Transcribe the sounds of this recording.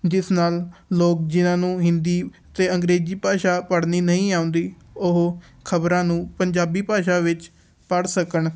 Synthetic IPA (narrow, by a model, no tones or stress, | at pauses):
d͡ʒɪsnaːlːoːk̚d͡ʒɪnãːnũːɦɪnd̪iːət̪eːəŋɡɾeːd͡ʒiːpaːʃaːpəɽniːnəĩːaːʊ̃ːnd̪iːʊɦ | kʰəbɾãːnũːpəɲd͡ʒaːbiːpaːʃaːʋɪt͡ʃ | pəɽsəkəɳ